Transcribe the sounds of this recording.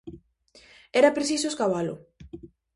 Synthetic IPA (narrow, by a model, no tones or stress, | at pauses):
ɛɾɐpɾesis̬oeskaβalʊ̰